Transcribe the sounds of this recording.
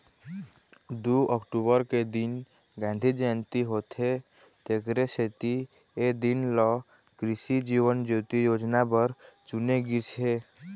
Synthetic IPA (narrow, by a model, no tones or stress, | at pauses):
d̪uəkʈubəɾked̪in | ɡãn̆d̪ʱid͡ʒəənt̪iɦot̪ʰɦe | t̪ekɾeset̪i | ed̪inlɔ | kɾisid͡ʒiʋənd͡ʒot̪ijod͡ʒnabəɾt͡ʃuneɡit͡ʃɦe